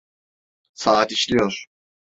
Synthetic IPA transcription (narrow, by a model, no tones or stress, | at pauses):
saːat̪iʃlʲijoɾ̥